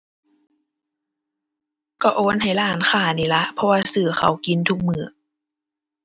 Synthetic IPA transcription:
kɔ˧˩ʔoː˧˦nha˨˩jlaː˨˦nxaː˧˩niː˨˩la˧˥ʔpʰɔ˧waː˧sɯː˨˩xa˨˩wki˧˦nt̪ʰu˧˦k̚mɯː˧˩˦

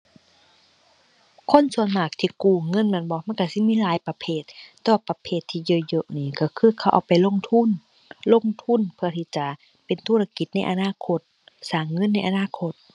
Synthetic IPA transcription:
kʰo˧˥˨nsu˧˩ənmaː˨˩k̚t̪ʰiː˧˨kuː˧˩ŋɤ˧˥˨nmɛ˧˥˨nbɔː˧˦ma˧˥˨nka˧˩si˧˦˨miː˧˥˨laː˨˦jpa˧pʰeː˧˩t̪̚ːɛː˧wa˧pa˧pʰeː˧˩t̪ʰːiː˧˨jɤː˧˨jɤ˧ʔniː˧˨kɔ˧˩kʰɯː˧˥˨kʰa˧˩wʔwpa˨jlo˧˥˨ŋt̪ʰu˧˥˨n | lo˧˥˨ŋt̪ʰu˧˥˨npʰɯ˧˩ɐt̪ʰiː˧˩t͡ɕa˨˩ | pe˨nt̪ʰuː˧˥˨a˧ki˧˩t̪̚na˧˥˩jʔa˧naː˧˥˨kʰo˧˥t̪̚ | saː˨˩ŋːɤ˧˥˨nːa˧˥˩jʔa˨˧naː˧˨kʰo˧˩t̪̚

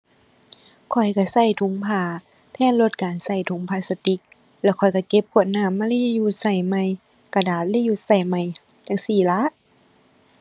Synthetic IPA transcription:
kʰɔ˨˩jka˧˩sa˧˩jt̪ʰu˧˦ŋpʰaː˧˩ | t̪ʰɛː˧˥˨nlo˧˦t̪̚kaː˨nsa˧˩jt̪ʰu˧˦ŋpʰaː˧˩sa˧t̪i˧˦k̚ | lɛː˧˩wkʰɔ˨˩jka˧˩ke˧˦p̚kʰu˧˩ət̪̚naː˧˩˨mːaː˧liː˧˥ju˧˥t̪̚sa˧˩jma˧˨j | ka˧daː˨˩˦t̪̚liː˧˥˨ju˧˩t̪̚sa˧˩jma˧˩j | t̪a˧˩ŋsiː˧˩la˧˦ʔ

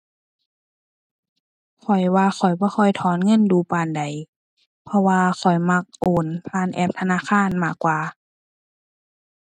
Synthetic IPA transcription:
kʰɔ˨˩jwaː˧xɔ˨˩jbɔː˧˦xʰɔ˧˩jt̪ʰɔː˧˦nŋɤ˧˥˨nduː˧˦paː˨˧˨nda˨˩j | pʰɔ˧waː˧xʰɔ˨˩jma˧k̚ʔoː˨˦npʰaː˧˨nʔɛː˧˩p̚t̪ʰa˧naː˧˥˨xʰaː˧˥˨nmaː˧˩kːwaː˧

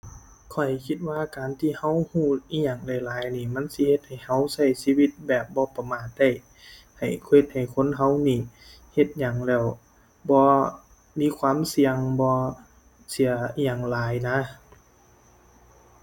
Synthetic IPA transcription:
kʰɔ˨˩jkʰi˧t̪̚waː˧kaː˨nt̪ʰiː˧˨ha˧˥˨whuː˧˩i˧˥ɲaː˨˩ŋlɛː˧˩laː˨˦jniː˧˩˨ma˧˥˨nsi˧˦he˧˦t̪̚ha˨˩jha˧˥˩wsa˧˩jsiː˧˥˨wi˧t̪̚bɛː˨˩p̚bɔː˧˦pa˧maː˨˩˦t̪̚da˧˩j | ha˨˩jkhe˧˩t̪̚ha˨˩jkʰo˧˥˨nɦa˧˥˨wniː˧˩ | he˧˩t̪̚ɲa˨˩ŋlɛː˧˩w | bɔː˧˦ | miː˧˥˨kʰwaː˧˥˨msi˧əŋbɔː˧ | si˨˦ɐɲaː˨˩ŋlaː˨˦jna˧˥

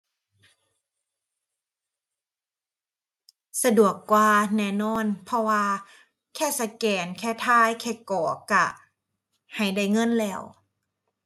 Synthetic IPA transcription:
sa˧du˨˩əkːwaː˧nɛː˧˩nɔː˧˥˨npʰɔ˧waː˧ | kʰɛː˥˩sa˧˩kɛː˨˩nkʰɛː˧˥˩t̪ʰaː˧˥˩jkʰɛː˧˩kɔː˨˦ka˧˩ | ha˨˩jda˧˩jŋɤ˧˥˨nlɛː˧˩w

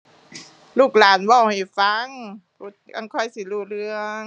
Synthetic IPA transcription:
luː˥˩k̚laː˨˦nwa˧˩˨wha˨˧˩jfa˧˦˥ŋ | ɾu˧˩t̪̚ka̰˧˩ŋkʰɔ˧˩jsi˧˦luː˧˩ɾɯ˧əŋ

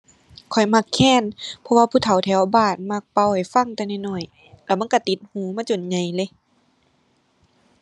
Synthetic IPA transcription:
kʰɔ˨˩jma˧˩kʰːɛː˧˥˨npʰɔ˧waː˧pʰuː˧˩t̪ʰa˨˩wt̪ʰɛː˧˩˦wbaː˧˩t̪̚ma˧˩k̚pa˧˩wha˨˩jfa˧˨ŋt̪ɛ˧na˧˩jnɔ˧˩j | la˧˩ma˧˥˨nka˧˩t̪i˧˦t̪̚huː˧˦maː˧˥˨t͡ɕo˨nɲa˨˧˩jlɤ˧˦

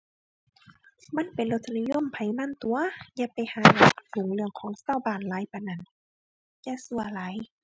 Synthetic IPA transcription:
ma˧˥˨npe˨nlo˧t̪̚sa˧ni˧˨jo˧˨mpʰa˨˩˦jma˧˥˨nt̪u˧ɐja˧˥pa˨jhaː˨˧˦na˧˩su˨˩˦ŋlɯ˧˩əŋkʰɔː˨˧˦ŋsaː˧˩˨wbaː˨˩nlaː˨˦jpa˨na˧˩˨n | jaː˧˥˨su˧ɐla˨˦j

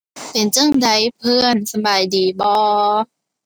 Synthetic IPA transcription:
pe˨˩nt͡ɕɯ˥˩ə˨ŋda˦˥jpʰɯ˧˥˩ənsa˧maː˨˩jdiː˨˩bɔː˧

